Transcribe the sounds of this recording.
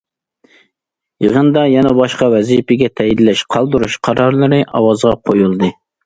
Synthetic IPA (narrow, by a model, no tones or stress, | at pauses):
jəʁənd̪ɑjɛnɛbɑʃqɑwɛzipɪɡʲɛt̪ʰɛjid̪lɛʃqʰɑlˠd̪ɨɾuʃqʰɑɾɑɾlˠɨɾɨʔɑ̰wɑzʁɑqʰojulˠd̪ɨ